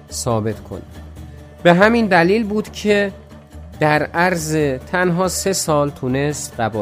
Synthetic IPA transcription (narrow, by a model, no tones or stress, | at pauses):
sɒːbe̞t̪kʰo̞̰ni | be̞ɦæmind̪æliːlbuːd̪̥cʰe | d̪̥æɾæɾzet̪ʰænɦɒːse̞sɒːlt̪ʰune̞st̪ɢæbɒː